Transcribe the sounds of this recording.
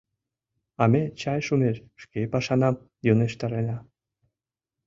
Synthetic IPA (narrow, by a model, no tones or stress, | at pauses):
ɑmet͡ɕɑjʃumeʃʃkepɑʃɑnɑm | joneʃt̪ɑɾenɑ